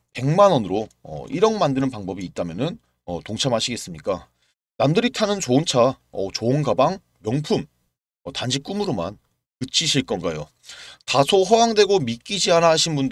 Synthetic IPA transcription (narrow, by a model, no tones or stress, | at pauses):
pe̞ŋmanwʌnɯɾoʌ̰ʔiɾʌŋmandɯnɯnpaŋbʌbiːt̚t͈amjʌnɯn | ʌtoŋt͡ɕʰamɦaɕʰiɡe̞s͈ɯmɲik͈a | namdɯɾitʰanɯnt͡ɕoɯnt͡ɕʰaʌt͡ɕoɯnɡabaŋ | mjʌŋpʰum | ʌtand͡ʑik͈umɯɾoma̰n | kɯt͡ɕʰiɕʰiɭk͈ʌnɡajo | tasʰoɸʌwaŋdwe̞ɡomik͈id͡ʑianaɦaɕʰinbund